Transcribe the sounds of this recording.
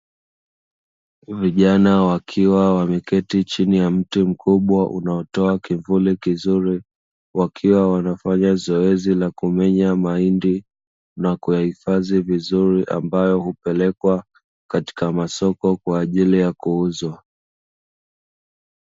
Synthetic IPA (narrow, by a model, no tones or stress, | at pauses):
viʄanawakʰiwawamikɛtit͡ʃinijam̩tim̩kʰuɓwaʔṵnaɔtɔakiɱvulikizuɾi | wakʰiwawanafaɲazɔɛzilakumɛɲamaindi | nakujahifazivizuɾiʔa̰mbajɔhupɛlɛkwa | kati̥kamasɔkɔkwaːʄilijakuuzwa